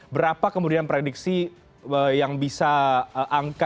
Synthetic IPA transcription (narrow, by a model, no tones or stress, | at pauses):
bəɾapakəmudianpɾediksi | əjaŋbisaəʔaŋka